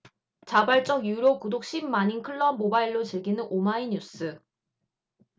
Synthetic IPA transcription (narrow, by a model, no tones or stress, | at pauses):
t͡ɕabaɭt͡ɕ͈ʌɡjuɾokudok̚ɕ͈immaɲinkʰɯɭːʌmobaiɭːot͡ɕiɭɡinɯnʔomaiɲus͈ʰɯ